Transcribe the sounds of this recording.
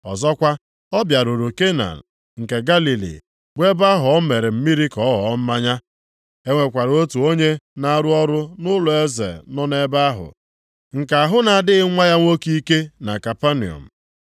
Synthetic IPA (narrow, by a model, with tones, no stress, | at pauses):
ɔ̰˨zɔ˦kʷa˦ | ɔ˦bja˨ɾo˨ɾo˨ke˦na̰˨n̩˨ | ŋ̩˨ke˨ɡa˦li˨lḭ˨ | bʷe˦ba˦ɦʊ˨ɔ˦me˨ɾɪ˨m̩˦mi˦ɾi˦kɔ˨˦ɦɔ˨˦m̩˦ma˦ɲa˦ | e˦ŋʷe˨kʷa˨ɾo˦tu˨o˦ɲe˦na˦a˦ɾʊ˦ɔ˦ɾʊ˦nʊ˦lʊ˨e˦zḛ˨nɔ˦ne˦ba˦ɦʊ̰˨ | ŋ̩˨ka˨a˨ɦʊ˦na˨dɪ˦ŋʷa˦ja˦ŋʷo˦ki˦ke˦na˨ka˨pa˦nḭ˨ɔ̰˨m̩˨